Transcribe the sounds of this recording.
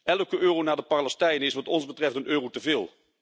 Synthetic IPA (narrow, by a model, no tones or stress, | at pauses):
ʔɛlˠəkəʔøːrownaːdəpaɹlɛstɛjnəɪsʋɑtɔnzbətrɛftənʔøːrowtəvɪːlˠ